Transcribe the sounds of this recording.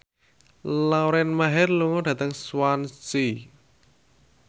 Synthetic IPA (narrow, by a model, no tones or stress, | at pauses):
lawɾɛnmaɦɛrluŋɔɖ̥ä̤t̪əŋswansi